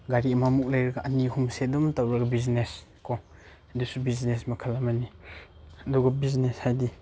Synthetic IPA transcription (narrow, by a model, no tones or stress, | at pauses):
ɡaɾimamuk̚lajɾɐɡaʔɐnihumsedɔmtawɾɐɡabizneskʰɔ | adusubiznesmakʰalamani | aduɡabizneshajdi